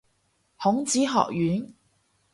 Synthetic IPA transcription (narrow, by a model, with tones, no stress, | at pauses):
hʊ˨˥ŋt͡siː˨˥ɦɔ̰ː˨k̚jyː˨˥n